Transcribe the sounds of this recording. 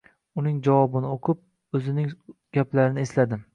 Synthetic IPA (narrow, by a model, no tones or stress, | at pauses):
ʊnɪŋd͡ʒavwɒbɪnɪoqʰʊp̚ | ɵzɪnɪŋɡ̥ʲaplaɾɪnɪeslad̪ɪ